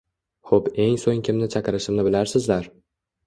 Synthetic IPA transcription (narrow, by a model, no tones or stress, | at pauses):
χobe̞ŋsoŋkʲʰɪmnɪt͡ʃʰakɾɪʃɪmnɪbɪlaɾsɪzlaɾ